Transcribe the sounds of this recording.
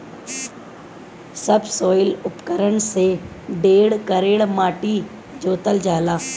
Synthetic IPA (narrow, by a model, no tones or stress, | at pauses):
səbsoːɪlʊpkəɾəɳse | ɖeːɽkəɾeːɽmaːʈi | d͡ʒoːt̪əld͡ʒaːlaː